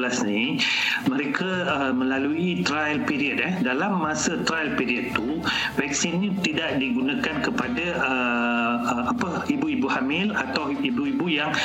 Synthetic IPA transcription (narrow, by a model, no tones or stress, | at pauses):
lasni | mə̃ɾekʰa | mə̃laluit̪ɾajlpiɾiət̪̚ɛhdalamːasət̪ɾajlpiɾiət̪̚ːu | vɛk̚sinɲit̪idaʔdiɡunãkankəpadaə | əmapə | ibuibuhamɪlat̪awibuibujaŋ